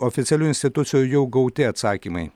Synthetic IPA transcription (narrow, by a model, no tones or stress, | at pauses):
ɔfʲɪt̪sʲɛlʲuːɪnʲsʲt̪ʲɪt̪ʊt̪sʲɪjujɛʊɡɐʊt̪ʲɪɐt̪sɑːkʲimɐɪ